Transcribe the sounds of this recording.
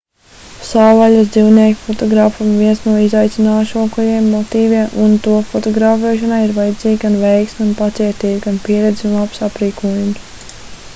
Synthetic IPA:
saːvaʎʲazd̪ziwniɛkfɔt̪ɔɡɾaːfumviɛnsnuɔizajt̪sinaːʃuɔkujiɛmːɔt̪iːviɛmʔunt̪uɔfɔt̪ɔɡɾaːfɛːʃ̬anajiɾvajad̪ziːɡʲɡanvɛjksmʲunpat̪siɛt̪iːɡɡanpiɛɾɛd̪ziunlˠapsapɾiːkuɔjums

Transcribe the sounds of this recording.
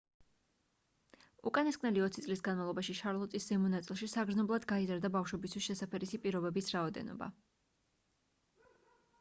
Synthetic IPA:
ṵkʼaniskʼnɛliɔt̪sit̪sʼlisɡanmavlˠɔbaʃiʃaɾlˠɔt̪ʼiszɛmɔnat̪sʼilˠʃisaɡɾznɔblˠad̪ɡaizaɾd̪abafʃwɛbist̪ʰwisʃɛsapʰɛɾisipʼiɾɔbɛbisɾaɔd̪ɛ̰nɔ̰ba̰

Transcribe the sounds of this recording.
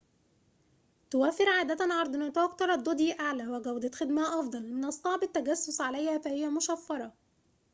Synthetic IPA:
t̪ʊwæfɪɾʕaːd̪æt̪ænʕɑɾˤd̪ˤnat̪ʔɑkt̪ɑɾˤɑd̪ˤːod̪jiʔaʕlæwɪɡæwd̪ɑt̪xɪd̪mæhʔɑfd̪ˤɑlmɪnʔɑsˤːɑʕbɪt̪ːæɡæsːʊsʕalæjhæfæhɪjːæmʊʃæfːɑɾˤɑ

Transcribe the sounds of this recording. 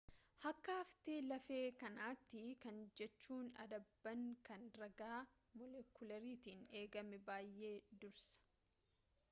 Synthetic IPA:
hɐkːɐɐft̪eːlɐfe̞ːkɐnaːt̪ːɪkɐnd͡ʒɛt͡ʃːuːnɐ̰d̪ɐbːɐŋkɐnɾɐɡaː | mɔlɛkʊlɐɾiːt̪iːne̞ːɡɐmɛbaːjʔe̞ːd̪ʊɾsɐ̥

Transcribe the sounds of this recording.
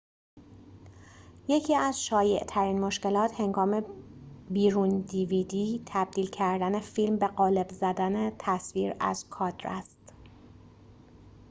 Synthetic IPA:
je̞cʰiːæz̥ʃɒːje̞ʔt̪ʰæɾiːnmo̞ʃce̞lɒːt̪he̞ŋɡɒːme̞biːɾund̪iːvid̪iːt̪ʰæb̚d̪̥iːlcʰæɾd̪æne̞filmbe̞ɣɒːle̞bzæd̪ænet̪ʰæsviːɾæ̰z̥kʰɒːd̪̥ɾæ̰st̪

